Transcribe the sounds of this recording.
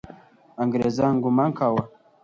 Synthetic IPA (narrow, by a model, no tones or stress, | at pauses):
aŋɡiɾezaŋɡumaŋkawa